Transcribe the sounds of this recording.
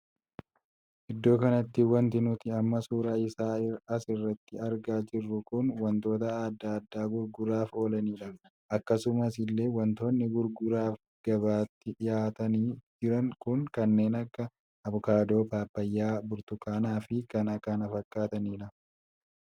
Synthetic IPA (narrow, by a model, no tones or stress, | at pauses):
ʔɪd̪ːo̞ːkɐnɐt̪ːɪwɐnt̪ɪnʊt̪ɪɐmːɐsuːɾaːɪsaːɪɐsɪrːɐt̪ːɪɐɾɡaːd͡ʒɪrːʊkʊnwɐnt̪o̞ːt̪ɐaːd̪ːaːd̪ːaːɡʊɾɡʊɾaːfo̞ːlɐniːᶑɐ | ʔɐkːɐsʊmɐsɪlːe̞ːwɐnt̪o̞ːnːɪɡʊɾɡʊɾaːf | ɡ̥ɐβaːt̪ːɪᶑɪjaːt̪ɐniːd͡ʒɪɾɐŋkʊŋkɐnːe̞ːnɐkːɐ | ɐbʊkaːd̪o̞ːpaːpːɐjːaːbʊɾt̪ʊkaːnaːfɪkɐnɐkanɐfɐkːaːt̪ɐniːᶑɐ